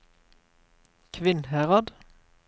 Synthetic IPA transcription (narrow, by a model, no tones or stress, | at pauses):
kʰʋɪnhæːʁɑd̪